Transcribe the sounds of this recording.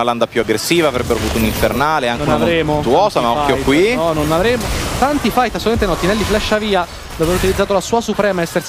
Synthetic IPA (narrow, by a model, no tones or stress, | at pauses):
naland̪apjuaɡɾesːiːvaːvɾɛbːeɾavuːt̪ouniɱfernaːleaŋknnunamvɾeːmot̪uɔːsamaɔkːjojkwiɔnonavɾeːmot̪ant̪ifajt̪asːoltment̪enɔt̪ːinɛlːiflɛʃːaviːa | vveːɾut̪ilid̪zat̪olasuːasupɾɛːmaɛsːers